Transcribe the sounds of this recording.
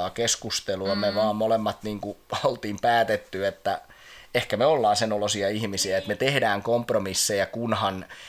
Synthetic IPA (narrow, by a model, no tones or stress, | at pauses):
ɑːkeskust̪eluɑmeʋɑːmmolemːɑt̪niːŋkuolt̪iːmpæːt̪et̪ːyet̪ːæ | ehkæmeolːɑːnsenolosiɑihmisiæet̪met̪ehdæːŋkompromisːejækunhɑn